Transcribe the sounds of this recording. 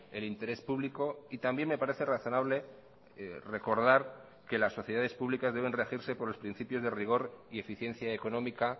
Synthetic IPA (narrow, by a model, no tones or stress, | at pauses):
e̞lint̪e̞ɾe̞spuβliko̞it̪ambje̞nme̞paɾe̞θeraθo̞naβle̞ | re̞ko̞ɾð̞aɾ | ke̞lasːo̞θjeðaðe̞spuβlikazðe̞β̞e̞nrexiɾse̞po̞ɾlo̞spɾin̟θipjo̞zðe̞riɣ̞o̞ɾie̞fiθje̞n̟θjaekonõ̞mika